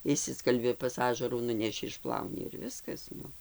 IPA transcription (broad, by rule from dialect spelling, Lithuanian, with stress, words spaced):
ɪʃʲˈsʲɪskɐlʲbʲɪ pɐs ˈɑːʒɐruː ˈnʊnʲɛʃʲɪ ɪʃˈplˠɐʊnʲɪ ɪr ˈʋʲɪskɐs ˈnʊ